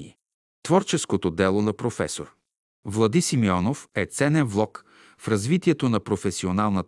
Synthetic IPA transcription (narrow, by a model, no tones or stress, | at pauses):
ḭ | t̪vɔɾt͡ʃɛskot̪od̪ɛlˠonɐpɾofɛ̰soɾ | vlˠɐd̪isimiɔnofɛt̪sɛnɛnvlˠɔk | fɾɐzvit̪iɛt̪onɐpɾofɛsionalˠnət̪